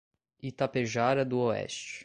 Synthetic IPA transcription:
it̪apeʒaɾad̪uoɛ̰ʃt͡ʃ

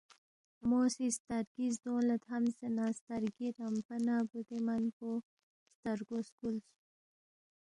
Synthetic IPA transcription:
mosist̪aɾɡizd̪oːlat̪hamsenaːst̪aɾɡiɾampanabud̪emanpo | st̪aɾɡoskuls

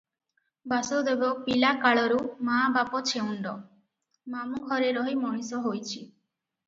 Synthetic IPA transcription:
basowd̪ebɔpilakaɭɔɾumabapɔt͡ʃʰeuɳɖɔ | mamuɡʱɔɾeɾɔɦimɔɽ̃isɔɦojt͡ʃʰi

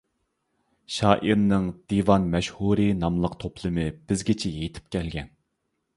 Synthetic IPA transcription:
ʃɑːʔiɾnɨŋd̪̥ivɑnmɛʃhuɾɨnɑmlˠəqt̪ʰopʰlˠɨmɨb̥ɪzɡʲit͡ʃʰɛjejt̪ʰɪ̥p̚kʲʰɛlɡʲɛn

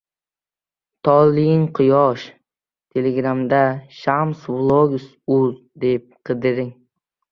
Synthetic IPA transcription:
t̪ʰɒlijɪŋqʰɨjɒʃ | t̪ʰeleɡɾamd̪aʃamsvlˠoɡʊs | uz | d̪ep̚qʰɨd̪ɪɾɪŋ

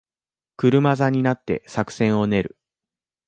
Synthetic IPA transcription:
kɯ̟ɾɯ̟mazaɲ̟inat̪ːe̞̰sakɯ̟̥sẽ̞ɰ̃o̞ne̞ɾɯ̟̰

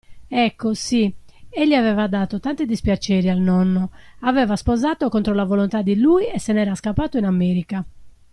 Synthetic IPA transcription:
ɛkːosieʎːiavɛːvad̪aːt̪ot̪ant̪id̪ispjat͡ʃeːɾialnɔnːoavɛvaspozaːt̪okont̪ɾolavolont̪ad̪ːiluːiɛsɛnɛːɾaskapːaːt̪oinamːeːɾika

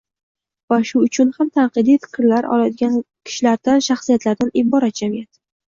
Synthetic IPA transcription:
vaʃʊʊt͡ʃʰʊnhamt̪ʰanqɨd̪ifɪ̥qʲʰɾlaɾɒ̰lajd̪ɪɡʲankʲʰɪ̥ʃlaɾd̪anʃaχsijat̪laɾd̪anɪbɒɾat̪̚d͡ʒamijat̪

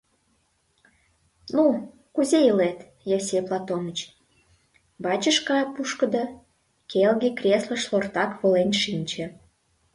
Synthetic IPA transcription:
nu | kuzeilet̪ | jesʲejplˠɑt̪onət͡ɕ | bɑt͡ɕəʃkɑjpuʃkəd̪ə | kelɣekrʲeslə̆ʃlort̪ɑkβolenʃinʲt͡ɕĕ

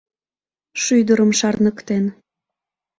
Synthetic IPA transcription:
ʃyjd̪əɾəmʃɑrnəkt̪en

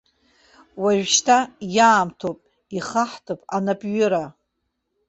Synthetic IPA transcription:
waʒᶣʃtʰajaːmtʰopʼ | iχaħtʰɨpʼanapʼɥʊɾa

